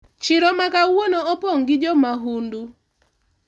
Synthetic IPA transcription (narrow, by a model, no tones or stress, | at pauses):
t͡ʃɪɾɔmakawonoɔpɔŋɡɪd͡ʒɔmaɦundu